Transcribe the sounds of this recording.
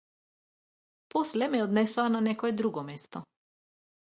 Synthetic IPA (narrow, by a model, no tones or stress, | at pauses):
pɔslɛmɛɔd̪nɛsuananɛkɔɛd̪ɾuɡɔmɛst̪ɔ